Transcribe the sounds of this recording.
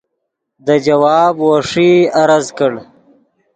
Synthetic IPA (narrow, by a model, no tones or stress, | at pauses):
d̪əd͡ʒawɑːbwoʂiaɾazkəɽ